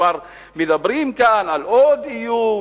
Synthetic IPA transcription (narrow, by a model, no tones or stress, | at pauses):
ɑɾˤ | miðabɾiːmkaːnʔalʔoːd̪ʔijuː